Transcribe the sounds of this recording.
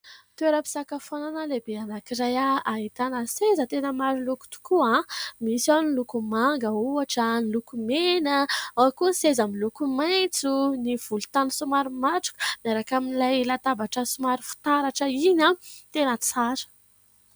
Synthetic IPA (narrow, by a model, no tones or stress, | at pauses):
t̪ueɾapi̥sakafonanalebeanakiɾajaaɦit̪anəsezət̪enəmaɾiluku̥t̪u̥kuãmisawnilukumaŋɡəuaʈ͡ʂənilukumenəawkunsezamilukumajt͡suniv̥ulut̪ansumaɾumaʈ͡ʂu̥ku̥maɾakaminilajlat̪abaʈ͡ʂəsumaɾufu̥t̪aɾaʈ͡ʂəinãt̪enət͡saɾə̥